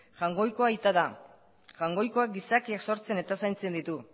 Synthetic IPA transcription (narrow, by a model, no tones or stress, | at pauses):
ʝaŋɡo̞jko̞ait̪aða | ʝaŋɡo̞jko̞ak̚ɡisakiakso̞ɾt͡se̞ne̞t̪asajnt͡se̞nd̪it̪u